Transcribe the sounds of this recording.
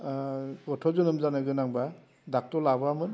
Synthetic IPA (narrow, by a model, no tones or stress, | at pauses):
ɡɔtʰɔzɔnɯmzanɯɡɯnaŋba | dak̚tɔlabamɯn